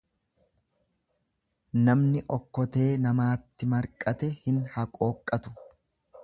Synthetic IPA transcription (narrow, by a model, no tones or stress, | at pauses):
nɐmnɪʔɔkːɔt̪e̞ːnɐmaːt̪ːɪmɐɾkʼɐt̪ɛhɪnhɐkʼoːkʼːɐt̪ʊ̥